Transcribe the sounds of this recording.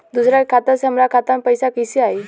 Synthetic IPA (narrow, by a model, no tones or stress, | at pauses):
d̪usɾakʰat̪asəmɾakʰat̪ampəjsakisiai